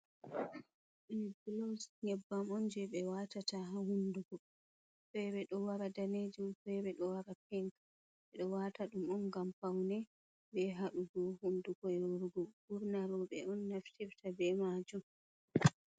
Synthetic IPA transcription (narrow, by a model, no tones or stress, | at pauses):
ʔɛblɔsɲɛbːamɔnd͡ʒɛɓɛwatataɦahunduɡɔ | fɛbɛɗɔwaɾadaned͡ʒumfɛbɛɗɔwaɾap̚ɛŋk | ɓɛɗɔwataɗumɔnɡamfawnɛ | bɛɦaɗuɡɔhunduɡɔɛwoɾɡɔbuɾnaɾɔɓɛɔnːaftiftʰabɛmad͡ʒum